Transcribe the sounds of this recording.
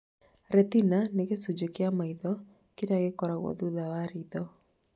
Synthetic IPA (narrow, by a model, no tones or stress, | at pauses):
ɾɛt̪inaneɣesud͡ʒekeamaiðɔ | keɾaɣekɔɾaɣwɔ̰ðuðawaɾiðɔ